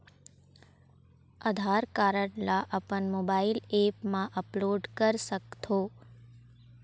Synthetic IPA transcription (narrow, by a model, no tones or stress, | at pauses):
əd̪ʱaɾkaɾəɳlaʔəpəɳmobailepmãʔəploɖkəɾsəkt̪ʰo